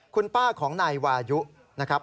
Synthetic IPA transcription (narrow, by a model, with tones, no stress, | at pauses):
kʰu˧npaː˥˩kʰɔː˩˦ŋnaː˧jwaː˧ju˦˥ʔ | na˦˥kʰɾa˦˥p̚